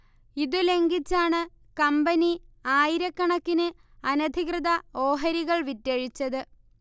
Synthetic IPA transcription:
iðule̞ŋɡit͡ɕːaːɳɨ | kɐmbɐniaːjiɾɐkːɐɳɐkːinɨ | ɐnɐd̪ʱikrɨðɐo̞ːɦɐɾiɣɐɭʋitːeɻit͡ɕːɐðɨ

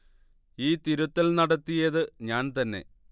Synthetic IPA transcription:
iːt̪iɾut̪ːɐlnɐɽɐt̪ːijɐðɨɲaːnt̪ɐnːe̞̰

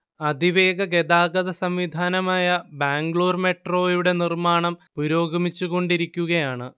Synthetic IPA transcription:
ɐd̪ʱiʋe̞ːɡɐɡe̞d̪aːɡɐðɐsɐmʋid̪ʱaːnɐmaːjɐbaːŋɡɭoːrme̞ʈro̞ːjuɽe̞nirmaːɳɐmpuɾo̞ːɡɐmit͡ɕːuɣo̞ɳɖiɾikʲːuɣɐjaːɳɨ

